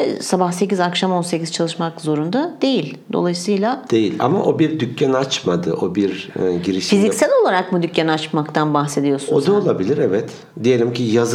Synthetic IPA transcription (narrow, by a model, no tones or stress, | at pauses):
sabahse̞cizakʃamo̞nse̞ciz̥t͡ʃʰalˠɯʃmakzo̞ɾund̪ad̪̥e̞jilʲd̪o̞̰lˠajsɯjlʲˠad̪̥e̞jilʲa̰maʔo̞biɾd̪ycʰːanat͡ʃmad̪ɯ̰ʔo̞biɾɟiɾiʃfizicsælʲo̞lˠaɾak̚bud̪ycːaniat͡ʃmakt̪ʰanbaxse̞d̪ijo̞sunod̪aolˠabilʲiɾɛvɛt̪ | d̪ejelʲimcʰijaz